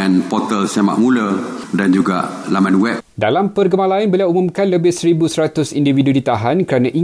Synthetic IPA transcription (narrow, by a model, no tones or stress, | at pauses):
ɛ̃npɔt̪əlsama̰ʔmũlədand͡ʒuɡa̰lamãnwɛp̚dalampərɡəmalainbəliawumũmkanləbɪhsəɾibusəɾat̪ʊsindividudit̪aɦankəɾanãʔi